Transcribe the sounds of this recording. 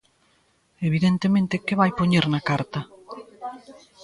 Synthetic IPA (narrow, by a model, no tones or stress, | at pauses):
eβ̞iðent̪emẽnt̪ekeβajpoɲeɾnɐkaɾt̪ɐ